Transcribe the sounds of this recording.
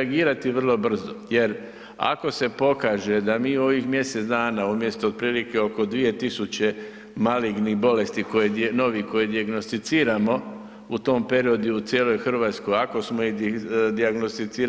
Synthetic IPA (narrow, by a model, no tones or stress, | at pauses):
aɡiːɾat̪iʋr̩lˠo̞br̩zoje̞ɾ | a̰ko̞se̞po̞kaːʒe̞d̪amiːo̞ʋixmje̞set̪zd̪aːnaumje̞st̪ood̪̚pɾiːlike̞o̞ko̞d̪ʋije̞t̪isut͡ɕe̞ | maliɡnibo̞le̞st̪iko̞jeno̞ʋikojed̪iaɡno̞st̪it̪siːɾamo̞ | ut̪o̞ːmpe̞ɾio̞d̪juut̪jeːlo̞jxr̩ʋaːt̪sko̞jako̞smoid̪iaɡnost̪it̪siːɾ